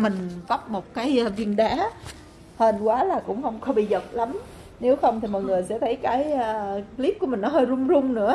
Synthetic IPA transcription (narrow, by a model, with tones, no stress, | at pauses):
mï˨˩ŋ̟vɔ˦˥p̚mo˨˩t̚kaː˨˦jʔvi˧ənɗaː˨˦ | hə˨˩nkwaː˨˦laː˨˩kʊ̰˧˥ŋ͡mxə˧wŋ͡mkɔ˧˦ɓḭ˧˨zə˨˩t̚la˨˦m | ne˨˦wxə˧wŋ͡mt̪ʰi˨˩mɔ̰ː˨jŋɨ˨˩əjsɛ̰˧˥t̪ʰə˨˦jkaː˨˦jli˦˥p̚ku˧˦mï˨˩ŋ̟nɔ˨˦ɦəː˧jzʊ˧ŋ͡mzʊ˧ŋ͡mnɨ̰˧˥ə